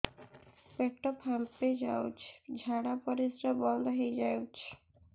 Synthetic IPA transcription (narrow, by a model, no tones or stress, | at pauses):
peʈɔphamped͡ʒawt͡ʃʰd͡ʒʱaɽapɔɾisɾɔbɔld̪ɔɦejd͡ʒajut͡ʃʰ